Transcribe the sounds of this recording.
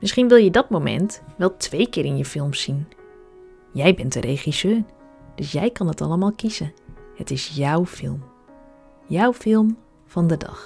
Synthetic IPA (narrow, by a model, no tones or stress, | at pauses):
mɪsχinʋɪlˠjədɔtmomɛ̰ntʋɛlˠtʰʋejkɪːɾɪnjəfɪlˠmsin | jɛjbɛntəɾejχisøːr | d̥øsjɛjkɑnətʰɑləmaːlˠkisəhətɪsjawfɪ̰lˠm | jawfɪlˠm | fɔndədɑ̰x